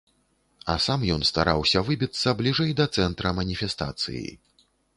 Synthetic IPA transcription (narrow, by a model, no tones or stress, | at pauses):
ɐ̰samjɔnst̪a̰ɾawsʲɐvɨbʲit̪sːɐblʲiʐɛjd̪ɐt̪sɛnt̪ɾɐmɐnʲifʲɛst̪a̰t̪sɨ̰jḭ